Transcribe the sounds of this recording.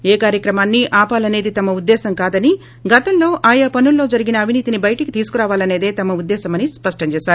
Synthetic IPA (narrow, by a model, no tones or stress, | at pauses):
eːkaːɾjɐkɾɐmaːnːiʔaːpaːlɐne̞ːd̪it̪ɐmɐud̪ːɛːsɐmkaːd̪ɐni | ɡɐt̪ɐmlo̞ːʔaːjapɐnulːo̞ːd͡ʒɐɾiɡinɐːʋʱiniːt̪inibɐjɐʈɐki̥t̪iːsu̥kuɾaːʋaːlɐne̞ːd̪eːt̪ɐmɐud̪ːɛːsɐmɐnispɐʂʈɐɲt͡ʃɛːsaːɾu